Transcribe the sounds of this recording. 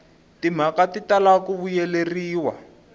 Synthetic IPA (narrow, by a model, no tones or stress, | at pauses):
tim̤akatitalakuβujɛleriːwa